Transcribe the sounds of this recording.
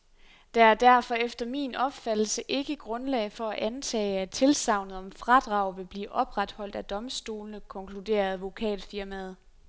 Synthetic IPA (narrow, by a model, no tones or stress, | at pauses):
d̥ɑæɐd̥æɐ̰fɒ̽efd̥ɐmḭːnɒ̽b̥fæd̥l̩səʔe̝ɡ̥əɡ̥ʁɔ̽nlɛ̰ɪfɒ̽æʔænt͡sʰɛ̰ːæt͡sʰe̝lsɑ̈ʊ̰nəð̩ˠɒ̽mfʁɑ̈d̥ʁɑ̈ʊ̰ʋe̝b̥lḭːʔɒ̽b̥ʁad̥hɒ̽l̰d̥æd̥ɒ̽msd̥o̝̰ːlnəkʰɒ̽ŋkʰlude̝̰ːɐð̩ˠʋo̝kʰɛ̰ːd̥fiɐmæð̞ˠ